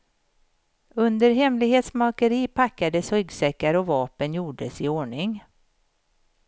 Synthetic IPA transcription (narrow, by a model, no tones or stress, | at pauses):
ɵnd̪əɾɦɛmlɪɡheːt̪smɑːkəɾiːpʰakːad̪əshœɡsɛkːaɾɔvɑːpənjuːɖəsɪoːɳɪŋ